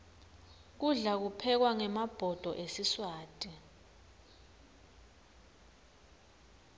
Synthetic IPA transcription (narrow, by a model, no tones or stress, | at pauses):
k̬uɮak̬upʰɛk̬waŋɛmab̥ʱɔd̥ʱɔʔesiswaːtʼi